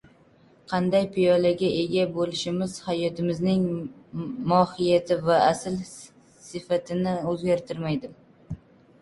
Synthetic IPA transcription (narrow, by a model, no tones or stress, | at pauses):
qʰɑnd̪ajpʰɪjɒlaɡʲaʔe̞ɡʲabolɪʃɪmɪz̥hajɒt̪ʰɪmɪznɪŋ | mɒhɪjat̪ʰɪvaasɪl | sɪfat̪ʰɪnɪɵzɡʲaɾt̪ʰɪɾmajd̪ɪm